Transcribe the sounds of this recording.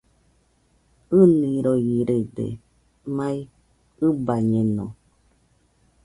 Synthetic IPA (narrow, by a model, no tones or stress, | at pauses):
ɨnĩɾoiɾed̪ḛ | mãi | ɨbaɲẽnõ̰